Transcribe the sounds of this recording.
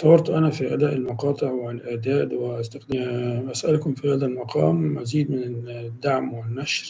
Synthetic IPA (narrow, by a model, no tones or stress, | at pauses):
t̪ˤɑwɑɾˤt̪ˤʔanafiʔad̪aːʔɪlmɑqɑːt̪ˤɨʕwlʔaʕd̪aːd̪wɪʔast̪axd̪ɪʔasʔalkʊmfihaːðalmɑqʰɑ̰ːmːaziːd̪mɪnɪd̪ːaʕmwɪnːaʃɾ